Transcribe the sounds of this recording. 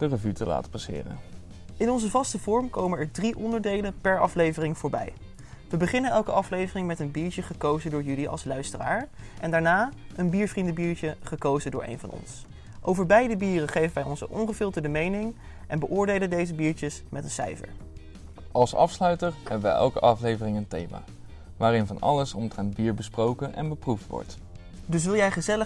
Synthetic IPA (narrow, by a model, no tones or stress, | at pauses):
d̥ərəvytəla̰ːtə̥pɑsɪ̰ːrə̰n | ɪnɔnzəvɑstəvɔɹmkowmənɛɹdriʔɔndəɹdejləpɛɹɑ̰flejvərɪŋv̥ʊːɹbɛ̰j | ʋəbəχɪnənɛlˠkəʔɑflejvərɪŋmɛtənbiːɹcəχəkowzədʊːɹjɵliʔɑ̰lˠslœɥstəra̰ːɹʔɛndaːɹnaː | ʔənbiːɹvrindəbiːɹt͡ʃəχəkowzədʊ̰ːɹḛjnvɑ̰nɔ̰ns | ʔowvəɹbɛjdəbiːrəχejvənʋɛjɔnsəʔɔnχəvɪlˠtədəmejnɪŋ | ʔɛnbəʔʊːɹdejləndejzəbiːɹt͡ʃəsmɛtənsɛ̰jfə̰ɹ | ɑlˠsɑ̰fslœɥtəɹhɛbəʋəʔɛ̰lˠkəʔɑflejvərɪŋəntḛjma̰ː | ʋaːɾɪnvɑnɑ̰ləsɔntrɛnd̚biːɹbəsprowkənʔɛ̰nbəpruftʋɔ̰ɹt | dɵs̬ʋɪlˠjɛjχəzɛlə